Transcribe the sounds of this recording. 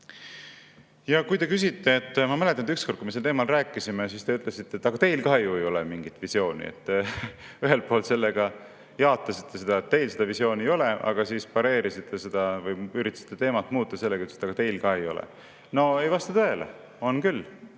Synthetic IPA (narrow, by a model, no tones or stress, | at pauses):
jɑkujt̪ekys̬it̪ːe̞ːt̪ːmɑmælet̪ːˑɑnd̪yksko̞rt̪̚kumeselt̪eːmɑlræːkˑːisimesiːst̪e̞yt̪ːˑlesit̪ːet̪ːˑɑɡ̥ɑt̪e̞jlkɑɦejuejo̞lɛmiŋɡ̥it̪ːˑvisjo̞ːnʲḭḛt̪ːyɦe̞lpˑoːlt̪se̞lːeɡ̥ɑ | jɑot̪ˑːɑsit̪ːe̞se̞d̪̥ɑet̪̚ːe̞jlse̞d̪ɑvisjo̞ːnʲiejo̞leʔɑ̰ɡ̥ɑsiːspɑɾe̞ːɾisit̪ʰːe̞se̞d̪̥ɑvɯjyɾit̪ːˑɑ̥si̥t̪ːet̪e̞ːmɑt̪ːˑmuːt̪ːˑɑse̞lːekɑyt̪se̥t̪ːɑɡɑt̪e̞jlkɑhejo̞̰lḛ | no̞ejvɑst̪ɑt̪øelḛ | o̞nkylː